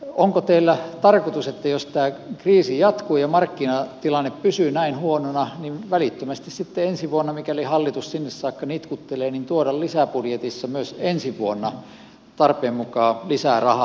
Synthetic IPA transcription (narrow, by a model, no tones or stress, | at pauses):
oŋkot̪eilːæt̪ɑrkot̪uset̪ːæjost̪æːkriːsijɑt̪kuːjɑmɑrkːinɑt̪ilɑnːeppysyːnæinhuononɑninʋælit̪ːømæst̪issit̪ːeensiʋuonːɑmikælihɑlːit̪ussinːessɑːkːɑnit̪kut̪ːeleːnint̪uodɑllisæpudjet̪isːɑmyøsensiʋuonːɑ | t̪ɑrpeːmmukɑːlisæˑrɑhɑ